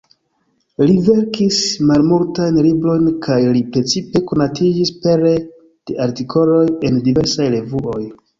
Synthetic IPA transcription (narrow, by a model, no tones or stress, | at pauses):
live̞ɾkismalmultajnlibɾo̞jnkʰajlipɾe̞t͡sipe̞ko̞natid͡ʒispe̞ɾe | d̥e̞ʔaɾtikʰo̞lo̞je̞ndive̞ɾsajɾe̞vuʔo̞j